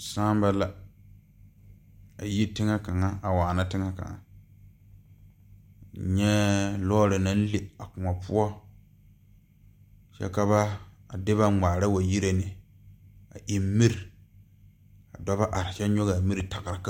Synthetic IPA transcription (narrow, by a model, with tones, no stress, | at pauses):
saː˦m˦ba˦la˨ | a˨ji˦tɪ˦ŋa˦ka˨ŋa˦a˨waː˨na˦tɪ˦ŋa˦ka̰˨ŋa̰˨ | ɲɛ˦lɔː˦ɾɪ˨na˦n˦le˨a˨kʊ˨ŋa˨pʊ˦ɔ˦ | t͡ʃɛ̰˦ka˦βa˦ | a˨dɪ˦βa˦ŋ͡maː˨ɾa˦wa˨ji˦ɾe˨nɪ˨ | a˨ʔi˨m˦mi˦ɾi˨ | a˨dɔ˦ba˦ʔa˨ɾɪ˨ʃɛ˦ɲo˦ɣa˨mi˦ɾi˨ta˨ɡa˨ɾa˨ka˦